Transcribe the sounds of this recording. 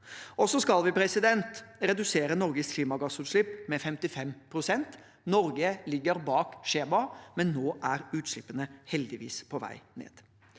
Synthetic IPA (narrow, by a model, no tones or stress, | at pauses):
ɔsɔskɑlʋɪpʰɾɛsɪd̪ɛnt̪ɾɛd̪ʉseːɾənɔɾɡəskʰliːmɑɡɑsʉːt̪ʂɭɪpːmɛfɛmt̪ɪfɛmpʰɾʊsɛnt̪ | nɔɾɡəlɪɡːəɾbɑːkʃeːbɑmɛnːoːʔæɾʉːt̪ʂɭɪpːənəhɛld̪ɪʋḭːspʰɔʋæ̰ɪnḛːd̪̥